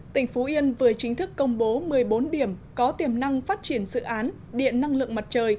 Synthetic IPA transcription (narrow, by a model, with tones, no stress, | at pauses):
t̪ï˧˩ŋ̟fo˨˦ʔi˧ənvəː˨˩əjt͡ɕï˨˦ŋ̟t̪ʰɨ˦˥kːə˧wŋ͡mɓo˨˦mɨ˨˩əjɓo˨˦nɗi˧˩əmkɔ˨˦t̪i˨˩əmna˧ŋfaː˦˥t̚t͡ɕi˧˩ənzɨ̰˧˨ʔaː˨˦n | ɗḭ˧˨ənːa˧ŋlɨ̰˧˨əŋma˨˩t̚t͡ɕəː˨˩j